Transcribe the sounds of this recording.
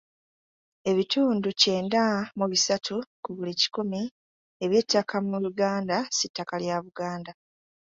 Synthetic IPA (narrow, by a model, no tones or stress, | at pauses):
e̞βitʰuːnduce̞ːndamuβisatʰukuβulici̥kumi | eβje̞tːakʰamuluɡaːndasitːakaljaβuɡaːnda